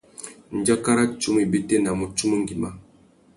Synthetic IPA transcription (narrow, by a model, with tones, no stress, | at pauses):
n̩˨d͡ʒa˦ka˦ɾa˦t͡ʃu˦m˦i˨be˦te˦na˨mo˨t͡ʃu˦mu˦ŋ˦ɡi˨ma˦